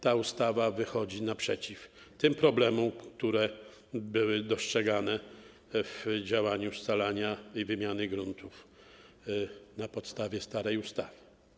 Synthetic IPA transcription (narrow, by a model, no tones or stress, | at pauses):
t̪aust̪avavɘxɔd͡ʑinapʂɛt͡ɕif | t̪ɘmpɾɔblɛmɔmkt̪uɾɛ | bɘwɘd̪ɔstʂɛɡanɛ | vd͡ʑawaɲust̪alaɲaivɘmʲjanɘɡɾunt̪ʰuf | napɔt̪st̪avʲjɛst̪aɾɛjust̪avɘ̥